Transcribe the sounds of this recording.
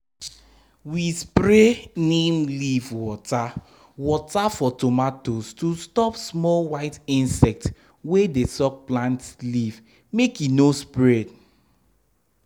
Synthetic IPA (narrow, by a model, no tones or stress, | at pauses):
wispɾenemlivwɔta | wɔtafɔtomatostustɔpsmɔlwaɪtĩnsɛk̚t | wedesɔk̚plãntliv | mekjunospɹɛd